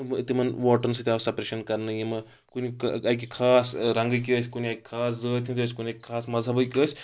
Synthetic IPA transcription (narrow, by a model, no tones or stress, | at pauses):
mt̪imɐnʋoːʈɐɾns̬ɨt̪ʲiaːʋsɐpɾeʃɐnkɐɾnɐjimɐ | kuniɐkʲikʰaːsɾɐŋɡək̬iəsʲkuniakʲi̥kʰaːs̬zəːt̪ʰʲint̪ʲəːsʲkunʲiakʲi̥kʰaːsmɐzʱɐbəkʲiəsʲ